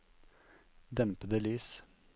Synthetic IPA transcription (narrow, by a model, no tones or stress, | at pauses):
d̪ɛmpəd̪əlyːs